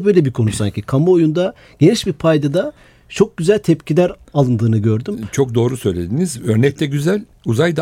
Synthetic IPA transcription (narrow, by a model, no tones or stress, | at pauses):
bø̞jlʲebiɾkʰo̞nusa̰ɲcʰikʰamuojund̪a | ɟ̥e̞niʃbiɾpʰajd̪ad̪a | t͡ʃʰo̞k̚ɟyzælʲt̪ʰɛpcʰilʲæɾalˠɯnd̪ɯːnɯɟø̞ɾd̪ymt͡ʃʰo̞k̚d̪o̞ːɾusø̞jlʲe̞d̪inizøɾnɛc̚t̪ʰɛɟyzælʲ | uzajd̪